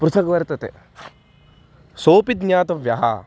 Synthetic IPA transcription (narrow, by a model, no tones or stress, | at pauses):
pɾut̪ʰɐkʋɐɾt̪ɐt̪ḛ | soːpid̪ɲaːt̪ɐʋjɐɦɐ̰